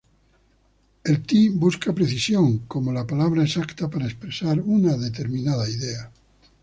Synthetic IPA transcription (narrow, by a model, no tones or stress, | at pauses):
e̞lt̪ibuskapɾeθisjoŋkomolapalaβ̞ɾaesakt̪apaɾaespɾesaɾunaðet̪̬e̞ɾmĩnaðaiðea